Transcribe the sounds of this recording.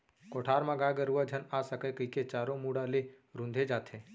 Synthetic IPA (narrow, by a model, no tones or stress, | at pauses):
koːʈʰaːɾmãɡaːɡəɾuʋad͡ʒʱənaːsəkekəiket͡ʃaːɾõmuːɽale | ɾũnd̪ʱed͡ʒaːt̪ɦẽː